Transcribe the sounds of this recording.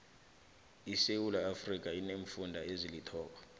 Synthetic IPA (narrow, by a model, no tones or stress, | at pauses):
isewulaafrik̬ʼaineɱfundʱaezilitʰɔːk̬ɔ